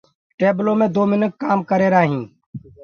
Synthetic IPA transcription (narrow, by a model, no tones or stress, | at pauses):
ʈeːblõːmẽːd̪oːmɪnəkːaːmkəɾeːɾaːɦĩː